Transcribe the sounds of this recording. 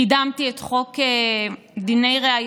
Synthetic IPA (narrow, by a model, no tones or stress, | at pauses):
idamt̪iet̪χo̞ke | d̪ine̞jʁeaj